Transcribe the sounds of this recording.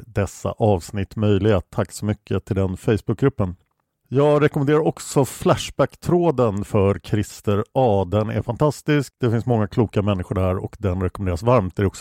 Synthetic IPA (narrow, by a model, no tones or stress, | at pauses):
d̪ɛsːa̰ʔɑːvsnɪt̪ːmœjlɪɡat̪ʰakːsɔmʏkʰːət̪ʰɪld̪ɛnfɛjsbɵk̚ɡɾɵpːən | jɑːɡɾɛkɔmɛneːɾaɾɔksɔflæʂbækt̪ʰɾoːd̪ənfœɾkʰɾɪst̪əɾɑːd̪ɛnæ̰ɾfant̪ʰast̪ɪskd̪ɛfɪnsmɔŋːakʰluːkamɛnːɪɧʊɖæɾɔ̰kd̪ɛnɾɛkɔmɛnd̪ːɾasvaɾmt̪̚æɾɖɛɔksɔ